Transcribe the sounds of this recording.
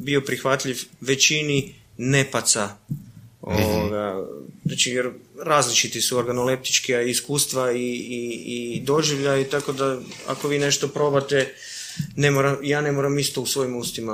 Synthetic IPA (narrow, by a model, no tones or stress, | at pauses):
bio̞pɾixʋat̪ʎiʋʋe̞t͡ʃini | ne̞pat̪sa | oʋoɡaat͡ʃijeɾɾaːzlit͡ʃit̪isuo̞ɾɡanole̞p̚t̪i̥t͡ʃkiaiskuːst̪ʋaiːid̪o̞ʒiʋʎait̪ako̞d̪a | a̰ko̞ʋiːne̞ʃt̪o̞pɾo̞bat̪e̞ | ne̞moɾamjaːne̞mo̞ɾamist̪o̞usʋo̞jimust̪ima